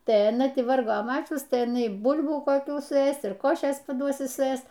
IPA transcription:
tɐɪ ɐˈnɐ ˈtʲɪ ˈʋɐrɡoː ˈmɑːt͡ʃʲʊs tɐɪ ɪˈnɐɪˈbʊlʲbuː koːˈkʲuː sʊˈeːs ɪr ˈkoːʃʲeːs pɐˈduɔs sʊˈeːs

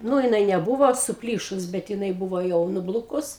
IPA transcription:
ˈnuː jɪˈnɐɪ nʲɛˈbʊʋoː sʊˈpʲlʲiːʃʊs bʲɛt jɪˈnɐɪ ˈbʊʋoː ˈjɛʊ nʊˈblˠʊkʊs

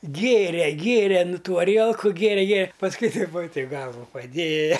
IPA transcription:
ˈɡʲeːrʲɛ ˈɡʲeːrʲɛ ˈnʊ ˈtuː ɐˈrʲiɛlˠkʊ ɡʲeːˈrʲɛ ˈɡʲeː pɐsˈkʊɪ tɐɪp ʋɐ tɐɪp ˈɡɐlˠʋʊ pɐˈdʲeːjɛ

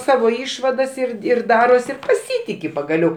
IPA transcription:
ˈsɑːʋoː ˈɪʃʋɐdɐs ɪr ɪr ˈdɑːroːs ɪr pɐˈsʲiːtʲɪkʲɪ pɐɡɐˈlʲɛʊ

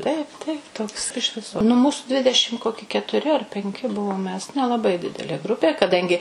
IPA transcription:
ˈtɐɪp ˈtɐɪp toːks ɪʃ ˈʋʲɪsoː nʊ ˈmuːsʊ ˈdʲʋʲɪdʲɛʃʲɪm ˈkoːkʲɪ kʲɛtʊˈrʲɪ ɐr pʲɛŋʲˈkʲɪ ˈbʊʋoːm mʲɛs nʲɛlˠɐˈbɐɪ ˈdʲɪdʲɛlʲeː ˈɡrʊpʲeː kɐˈdɐŋʲɡʲɪ

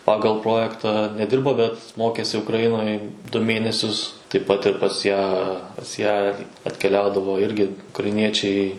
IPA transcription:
ˈpɑːɡɐlˠ ˈproːjɛktɑː nʲɛˈdʲɪrboː bʲɛt ˈmoːkʲeːsʲɪ ʊkrɐˈjɪnoːj dʊ ˈmʲeːnʲɛsʲʊs tɐɪp ˈpɐt ɪr pɐs ˈjæː pɐs ˈjæː ɪr ɐtʲkʲɛˈlʲɛʊdɐʋoː ˈɪrʲɡʲɪ ʊkrɐɪˈnʲiɛt͡ʃʲɛɪ

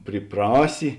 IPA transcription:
pʲrʲiːˈprɑːsʲɪ

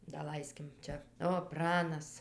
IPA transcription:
dɐˈlˠɐɪsʲkʲɪm ˈt͡ʃʲɛ oː ˈprɑːnɐs

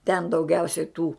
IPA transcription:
tʲɛn dɐʊˈɡʲɛʊsʲɛɪ tuː

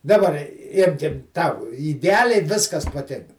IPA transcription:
dɐˈbɐr ɪ ˈɪmʲkʲɪm ˈtɐʊ ɪdʲɛˈɑːlʲɛɪ ˈʋʲɪskɐs pɐˈtʲɪŋkɐ

